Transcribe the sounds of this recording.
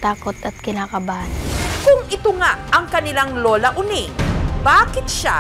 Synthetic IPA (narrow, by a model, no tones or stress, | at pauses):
t̪aːkot̪ɐt̪̚kɪnaːkɐbankʊŋɪt̪oŋaʔɐŋkɐnɪlaŋloːlɐʔʊnibaːkɪt̪ʃa̰